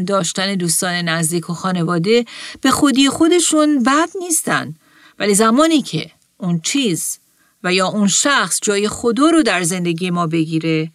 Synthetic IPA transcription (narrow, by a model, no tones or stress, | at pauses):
nd̪ɒːʃt̪æne̞d̪uːst̪ɒːne̞næzd̪iːkʰoxɒːne̞vɒːd̪e̞b̥e̞xod̪iːexo̞d̪e̞ʃunbæd̪̥niːst̪æ̰nd̪ | væliːzæmɒːniːcʰe̞̰ | ʔunt͡ʃʰiːz | væjɒːʔunʃæxsd͡ʒɒːje̞xo̞d̪ɒːɾod̪æɾze̞nd̪e̞ɡiːje̞mɒːbe̞ɡiːɾe̞